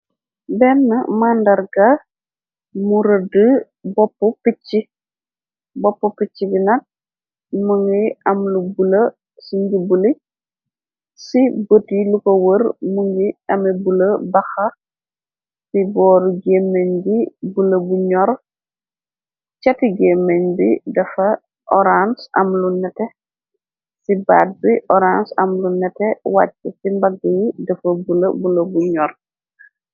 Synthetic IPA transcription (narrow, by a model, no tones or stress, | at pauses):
bɛnːɐ̰mandɐrɡɐ | muɾədə | bɔpːupit͡ʃːi | bɔpːupit͡ʃːibinɐt̚ | muŋɡiɐmlubulə | siɲɡibuli | sibotilukowəɾmuŋɡiɐmɛbuləbɐxɐ | sibɔːɾuɡeːmːeɲbibulɐbuɲɔɾ | t͡ʃɐtiɡeːmːeɲbidɐfɐ | ʔɔɾansɐ̰mlunɛtɛ | sibaːt̚biʔɔɾansɐmlunɛtɛwat͡ʃːɐsimbɐɡəjidɐfɐbulɐbulɐbuɲɔr